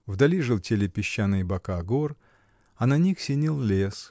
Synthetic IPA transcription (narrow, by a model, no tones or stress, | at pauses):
vd̪ɐlʲiʐɨlˠtʲelʲɪpʲɪɕːanːɨjbɐkaɡor | ɐnɐnʲixsʲɪnʲilˠlʲes